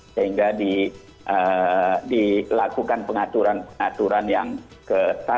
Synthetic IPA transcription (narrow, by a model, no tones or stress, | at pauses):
səɦiŋɡadi | ʔədilakukanpəŋat̪uɾanpəŋat̪uɾanjaŋ | kət̪a